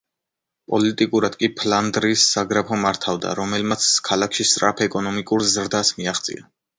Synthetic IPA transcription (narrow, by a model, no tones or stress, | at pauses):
pʼɔlit̪ʼikʼuɾad̪kʼipʰland̪ɾiːsːaɡɾapʰɔmaɾt̪ʰavd̪a̰ɾɔmɛlmat̪sʰkʰalakʰʃist̪sʼɾapʰɛkʼɔnɔmikʼuɾzɾd̪asmiaχt̪sʼḭa